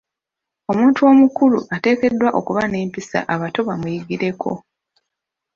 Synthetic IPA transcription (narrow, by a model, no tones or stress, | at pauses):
o̞muːntuo̞mukuluʔate̞ːke̞dːwaʔo̞̰kuβaneːmpisa̰ʔaβato̞βamujiɡiɾe̞kʰo̞̰